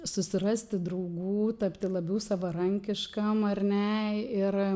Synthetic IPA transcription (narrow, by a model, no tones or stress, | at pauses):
sʊsʲɪrɑːsʲt̪ʲɪd̪ɾɐʊɡuːt̪ɐpʲt̪ʲɪlˠɐbʲɛʊsɑːʋɐɾɐŋʲkʲɪʃkɐmɐrʲnʲɛɪr